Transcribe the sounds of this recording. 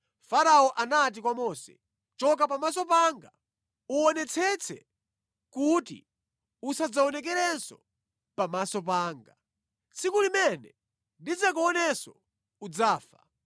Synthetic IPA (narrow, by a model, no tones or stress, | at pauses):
faɾaɔʔanat̬ikwamɔsɛ̰ | t͡ʃɔk̬apamasɔpaŋɡa | uɔnɛt͡sʰɛt͡sʰɛ̰ | kutḭ | usad͡zaɔnɛk̬ɛɾɛnsɔ | pamasɔp̬aːŋɡa | t͡sʰikulimɛnɛ | ndid͡zak̬uɔnɛsɔ | ud͡zaːfa